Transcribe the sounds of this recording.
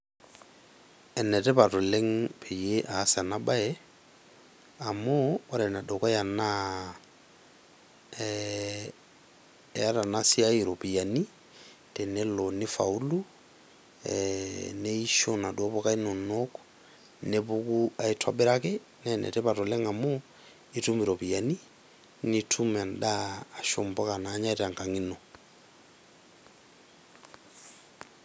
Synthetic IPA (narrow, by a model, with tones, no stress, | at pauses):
ɛ˨nɛ˨tɛ˦patʊ˨le˦ŋ̩pʰe˨jeʔaː˨˦sa˨na˦ba˦ɛ | a˨moː˦ɾɛna˨dɔ˨kɔ˦ja˨na | ja˦ta˨nasi˦a˦iɾo˨pi˨a˨ni˦ | te˨nɛ˦lonɪ˦fa˨u˦lu | neiʃona˨dwɔ˦βɔka˦i˦no˨nok | nebukua˨itʰwa̰be˦ɾake | nɛnɛ̰tɛpa˨to˨lɛ˦ŋa˨mo | itu˦mi˨ɾo˨pija˨ni˦ | nitʰumɛ˨ndaː˨ʃombɔ˦ka˨na˦ɲa˦i˦ta˨ŋka˨ŋi˦no